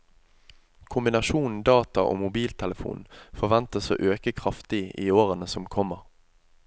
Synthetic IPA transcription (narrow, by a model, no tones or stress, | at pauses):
kʰʊmbɪnɑʃuːnn̩d̪ɑːt̪ɑʔo̰ːmʊbiːlt̪ʰɛləfṵːnn̩fɔʁʋɛnt̪əso̰ːʔøːkəkʰʁɑft̪ɪiːoːʁənəsɔmkʰɔməʁ